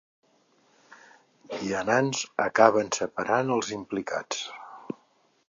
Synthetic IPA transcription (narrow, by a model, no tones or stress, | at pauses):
iənanzə̰kaβənsəpəɾanəlˠzimplika̰t͡s